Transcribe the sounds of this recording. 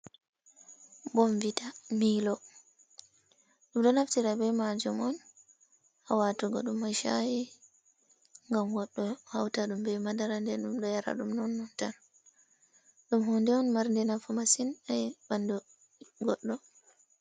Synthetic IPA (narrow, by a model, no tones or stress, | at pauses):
bɔmvitamilɔ | ɗumɗɔnaftiɾabɛmad͡ʒumɔn | ʔawatuɡɔ̰ɗumːaʃa̰ji | ŋɡamɡɔɗːɔhawtaɗumbɛmadaɾandɛɗumɗɔjaɾa̰ɗumnɔnːɔntan | ɗumhɔndɛɔnmaɾndɛnafɔmasinajbandu | ɡɔɗːɔ